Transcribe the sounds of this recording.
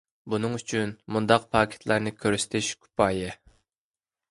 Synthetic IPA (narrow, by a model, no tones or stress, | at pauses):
bunɨŋyt͡ʃʰynmund̪ɑq̚pʰɑːkʲʰe̥t̪ʰlˠɑɾnɪkʲʰøɾsɪ̥t̪ʰɪʃkʲʰy̥pʰɑːjɛ